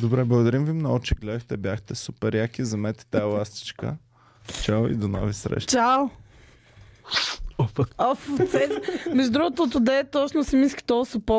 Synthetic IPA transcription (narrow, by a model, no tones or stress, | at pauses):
d̪obɾɛblˠɐɡod̪ɐɾimvimnɔɡʊt͡ʃɛɡlɛd̪əxt̪ɛbʲjaxt̪ɛsupɛɾjakʲizɐmɛt̪ɛ̥t̪aɛlˠast̪i̥t͡ʃkə̰ | t͡ʃawḭd̪onɔ̰visɾɛ̰ʃt͡ʃaw | ɔft̪sɛsmɛʒud̪ɾuɡot̪oːt̪ud̪ɛt̪ɔt͡ʃnosɛmiskʲi̥t̪ɔsopɔ